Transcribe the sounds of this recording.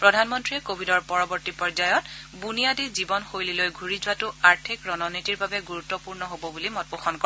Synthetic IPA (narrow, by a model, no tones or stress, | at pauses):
pɹɔdʱanmɔntɹiɛkobʱidɔɹpɔɹɔbɔɹtipɔɹzajɔtbunijadizibɔnxojlilojɡʱuɹizʊwatʊaɹtʰikɹɔnɔnitiɹbabɛɡuɹutːɔpuɹnɔɦobɔbulimɔt̚poxʰɔnkɔ